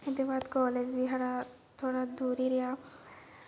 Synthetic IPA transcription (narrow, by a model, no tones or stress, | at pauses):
ed̪ibaːd̪kɔːled͡ʒbiɦɐɽa | t̪ʰoːɽad̪uːɾiɾijaː